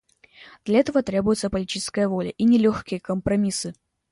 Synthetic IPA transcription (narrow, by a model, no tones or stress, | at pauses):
d̪̥lʲɐɛt̪əvət̪ɾʲe̞bʊjʊt̪səpəlʲɪtʲit͡ʃɪ̥skəjəvo̞lʲə̰ʔinʲɪlʲoxkʲɪjəkəmpɾɐmʲisɨ